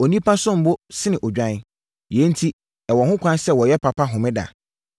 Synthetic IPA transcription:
o˨nĩ˦pʰa˦sʊ̃˦m̩˨bʊ˦sɪ˦nɪ̃˨ʔɔ˨d͡ʑᶣã˦ | je˨˦n̩˦tʰi˦ | ɛ˨wɔ˨hʊ̃˦kʷʰã˦nsɛ˦wɔ˨jɛ˦pʰa˨pʰa˦ɦʊ̃˨mɪ̃˦da̰˨

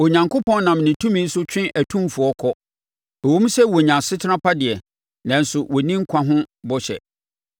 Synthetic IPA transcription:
o˨ɲã˨ŋkʰʊ˦pʰɔ̃˦nnã˨mnɪ̃˨tʰũ˦mĩ˦n̩˦sʊ˦t͡ɕᶣɪ̃˦ʔæ˨tʰũ˦mfʊ˨ɔ˦kʰɔ˦ | ɛ˨wõ˦m˦sɛ˦wɔ˨ɲã˨sɪ˦tʰɪ˦nã˦pʰa˦dɪ˨ɛ˨ | nã˨n̩˨sʊ˨wʔɔ˨nĩ˦ŋ̩˦kʰã˦ɦʊ̃˦bɔ˦ɕɛ̰˨

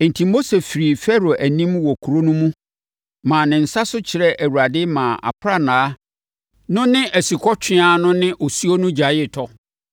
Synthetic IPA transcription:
n̩˨tʰi˨mo˦se˨fi˨ɾi˨fɛ˦ɾo˨ʔæ˨nĩ˦mwɔ˨kʰu˨ɾo˦nʊ̃˦mũ˦ | mãː˨nɪ̃˨n̩˨sa˦sʊ˦t͡ɕʰɪ˨ɾɛ˦ʔæ˨wu˨ɾa˨dɪ˦mãː˨ʔa̰˨pʰɾa˦nãː˨˦ | nʊ̃˦nɪ̃˦ʔæ˨si˨kʰɔ˦t͡ɕʰᶣɪ̃˦a˦nʊ̃˦nɪ̃˦ʔɔ˨su˦o˦nʊ̃˦d͡ʑa˨jɪ˦tʰɔ˦

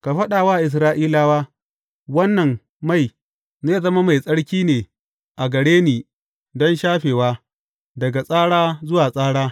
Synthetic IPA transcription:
ka˨ɸɐ˦ɗaː˨waː˦ʔɪ˨s̬ɾaː˦ʔiː˦laː˦waː˦ | wɐ˦nːɐ˨m | ma˦˨j | naː˦˨zɐ˦ma˦ma˨jsʼɐ˦ɽkʲiː˦neː˨ | ʔa˨ɡɐ˨ɽeː˦niː˨ | dɔ˦nʃaː˦ɸeː˨waː˦ | dɐ˨ɡa˨sʼaː˦ɽaː˦zʊ˦waː˨sʼaː˦ɽaː˦

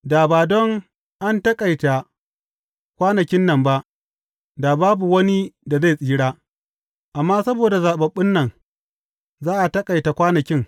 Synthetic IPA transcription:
daː˨baː˨dɔ˦ŋ | ʔa˦ntɐ˦kʼa˨jta˨ | kʷaː˦nɐ˨kʲɪ˦nːɐ˨mba˦ʔ | da˨baː˦bu˨wɐ˦ni˦da˨za˦˨sʼiː˦ɽaː˦ | ʔa˨mːaː˦sɐ˦boː˨da˨zaː˨ɓɐ˨ɓːɪ˦nːɐ˨ŋ | zaː˦ʔa˨tɐ˦kʼa˨jta˨kʷaː˦nɐ˨kʲɪ˦ŋ

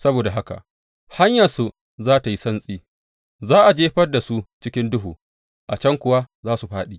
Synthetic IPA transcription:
sɐ˦boː˨da˨ɦa˦ka̰˨ | ha˦ɲjɐ˨rsu˨ | zaː˦ta˨ji˦sɐ˦nsʼiː˦ | zaː˦ʔa˨d͡ʒeː˦ɸɐ˦rda˨su˦t͡ʃɪ˦kʲɪ˦ndʊ˦ɦṵː˨ | ʔa˨t͡ʃɐ˦ŋkʷʊ˨wa˦zaː˦su˨ɸaː˦ɗiː˦

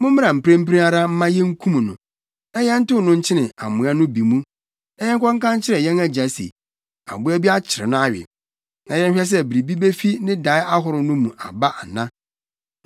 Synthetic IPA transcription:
mʊ̃˦m̃˦ɾã˨m̩˨pʰɾẽ˦m̩˦pɾĩ˦a˦ɾa˦m̩˦mã˦jɛ̃˦ŋ̩˦kʰũ˦m̃˨nʊ̃˨ | nã˨jɛ̃˦n̩˦tɪ˦ʊ˨nʊ̃˦ɲ̩˦t͡ɕʰɪ˦nɪ̃˨a̰˨mʊ̃˨a˦nʊ̃˦bi˨mũ˦ | na˦jɛ˦ŋ̩˦kʰʷɔ̃˦ŋ̩˦kã˦ɲ˦t͡ɕʰɪ˦ɾɛ˨jɛ̃˦na˦d͡ʑa˨sḛ˨ | a̰˨bʊ˦a˦bi˦a˦t͡ɕʰɪ˨ɾɪ̰˨nʊ̃˦a˦ɥɪ̰˨ | nã˨jɛ̃˦nɕᶣɛ˦s̬ɛ˦˨bi˨ɾi˨bi˦be˦fi˦nɪ̃˦da˨˦ɪ˦a˦ɦʊ˨ɾʊ˨nʊ̃˦mũ˨ʔa̰˨ba˦ʔa̰˨nã˦

